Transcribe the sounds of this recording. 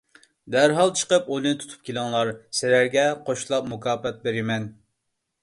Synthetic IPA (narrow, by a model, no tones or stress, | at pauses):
d̪æɾɦɑlˠt͡ʃʰə̥qəpolˠɨnɨt̪ʰu̥t̪ʰu̥p̚kʲʰelɨŋlˠɑɾsɪlæɾɡʲɛqʰoʃlˠɑp̚mukʰɑːpɛt̪̚beɾɪmɛn